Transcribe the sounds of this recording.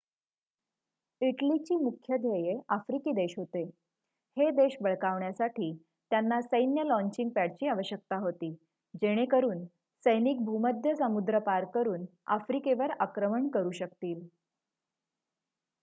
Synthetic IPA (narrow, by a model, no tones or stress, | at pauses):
iʈlit͡ɕiːmukʰjəd̪ʱjejeafɾikiːd̪eɕɦot̪e | hed̪eɕbəɭkaʋɳjasaʈʰiː | t̪janːasəjnjəlɔ̃ɲt͡ɕiŋɡ̚pæɽt͡ɕiːaʋəɕjək̚t̪aɦot̪iː | d͡ʑeɽ̃ekəɾuːn | səjniːk̚bʱuməd̪ʱjəsəmud̪ɾəpaɾkəɾuːna̰fɾikeʋəɾakɾəməɳkəɾuːɕəkt̪iːl